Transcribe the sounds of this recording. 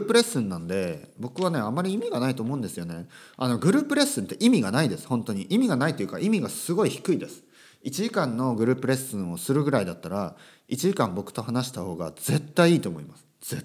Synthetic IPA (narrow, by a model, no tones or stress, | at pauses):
pɯ̟ɾe̞sɨ̃nːãnd̪e̞bo̞kɯ̟β̞ane̞amːaɾʲiimʲiɡanait̪oːmo̞ɯ̟̃nd̪e̞sɨjo̞ne̞ano̞ɡɯ̟ɾɯ̟ːpɯ̟ɾe̞sɨ̃nt̪ːe̞ʔimʲiɡanaid̪e̞sɨ̥hõ̞nt̪o̞ɲ̟iʔimʲiɡanait̪o̞jɯ̟kaʔimʲiɡasɨɡo̞içi̥kɯ̟id̪esɨ̥ | it͡ɕiʑikãnːo̞ɡɯ̟ɾɯ̟ːpɯ̟ɾe̞sɨ̃ɰ̃o̞sɨɾɯ̟ɡɯ̟ɾaid̪at̪ːaɾa | it͡ɕiʑikãmbo̞kɯ̟̥t̪o̞hanaɕi̥t̪aho̞ːɡa̰z̥e̞t̪ːaiiːt̪o̞ːmo̞imasɨ̥ | z̥e